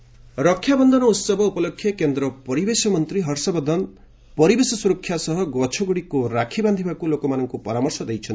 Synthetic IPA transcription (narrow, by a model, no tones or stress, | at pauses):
ɾɔkʰːjabɔnd̪ʱɔnɔut̪sɔbʱɔupɔlokʰːjekend̪ɾɔpɔɾibesɔmɔnt̪ɾiɦɔɾsɔbɔd̪ʱɔn | pɔɾibesɔsuɾɔkʰːjasɔɦɔɡɔt͡ʃʰɔɡuɽikuɾakʰiband̪ʱibakulokɔmanɔŋkupɔɾamɔɾsɔd̪ejt͡ʃʰɔni